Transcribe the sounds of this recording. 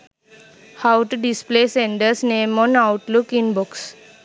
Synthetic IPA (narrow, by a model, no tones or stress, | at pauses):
haʊʈuɖispleːsẽɳɖəsnẽːmɔ̃ːnaʊʈlukĩnbɔks